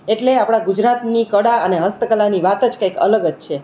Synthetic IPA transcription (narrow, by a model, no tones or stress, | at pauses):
eʈleapɽ̃aɡud͡ʒɾat̪nikəɽaəneɦəst̪əkəlaniʋat̪əd͡ʒkajkə̰ləɡəd͡ʒt͡ʃʰe